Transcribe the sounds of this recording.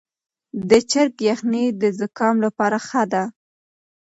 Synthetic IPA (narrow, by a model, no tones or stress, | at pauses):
d̪ət͡ʃaɾkjaxnid̪əzəkɑmlapɑɾaxad̪a